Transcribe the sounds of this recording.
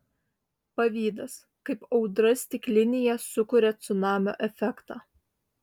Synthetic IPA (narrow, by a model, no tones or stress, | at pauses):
pɐʋʲiːd̪ɐs | kɐɪpɒʊd̪ɾɐsʲt̪ʲɪklʲɪnʲɪjɛsʊkʊɾʲɛt̪sʊnɑːmʲo̰ːʔɛfʲɛkt̪ɑː